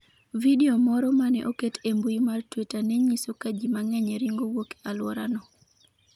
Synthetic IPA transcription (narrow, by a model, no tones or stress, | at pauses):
videomɔɾɔmanɛ̰ʔoketʰembujimartwetanɛɲisokad͡ʒimaŋɛɲɛɾiŋɡowoke̥alwɔ̰ɾanɔ